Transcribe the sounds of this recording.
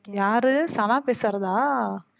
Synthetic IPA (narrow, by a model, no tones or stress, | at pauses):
jaːɾɯsɐlaːpeːsɾɐðaː